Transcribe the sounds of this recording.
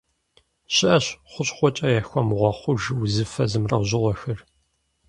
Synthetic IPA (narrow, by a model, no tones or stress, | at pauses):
ɕɪʔɐɕχʷʊɕʼχʷɔt͡ʃʼɐjɛxʷɔmʁʷɔχʷʊʒwzɨfɐzɨmrɐ̰wʑɪʁʷɔxɐr